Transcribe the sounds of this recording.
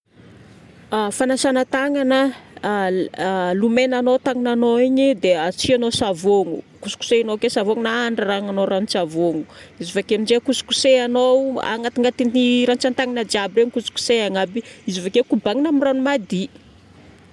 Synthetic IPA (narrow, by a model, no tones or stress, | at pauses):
afanasanət̪aŋanə | lumenanowt̪aŋinanoiɲid̪eat͡sianosavoŋṵ | kusu̥ku̥seanokesavoŋunaaɳɖ͡ʐaraŋanoɾanit͡savoŋuizivakenid͡ʒekusu̥kuseanowa̰ŋat̪iŋat̪iniɾant͡sant̪aŋanəd͡ʒiabreɲikusu̥ku̥seaŋabiizivakekubaŋinamiranumad̪i